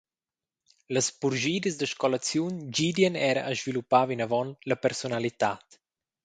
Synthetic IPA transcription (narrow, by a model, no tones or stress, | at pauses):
ləspuɾʒiːd̪əzd̪əʃkɔlat͡sjund͡ʒid̪jənɛɾa̰ʔəzvilupːavinavɔnləpəɾsonalit̪at̪